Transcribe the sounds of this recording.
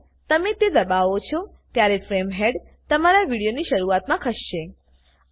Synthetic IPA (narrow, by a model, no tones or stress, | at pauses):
t̪əmet̪ed̪əbaʋot͡ʃʰɔ | t̪jaɾefɾemɦeɖ | t̪əmaɾaʋiɽijoniʃəɾuʋat̪mãkʰəʃʃe